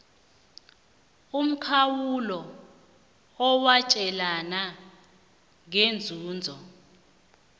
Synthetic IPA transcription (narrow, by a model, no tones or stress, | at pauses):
um̩kʰawulɔ | ɔwat͡ʃʼɛlana | ŋend͡zʱuːnd͡zʱɔ